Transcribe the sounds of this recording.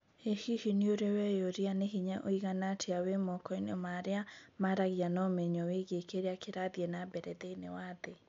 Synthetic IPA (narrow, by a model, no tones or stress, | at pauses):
ehihinioɾewɛjoɾianeɦiɲaʔoiɣanatʰeawemɔkɔinɔmaɾeamaɾaɣianɔmɛɲɔweɣekeɾeakeɾaðiɛnabɛɾɛðeinewaðe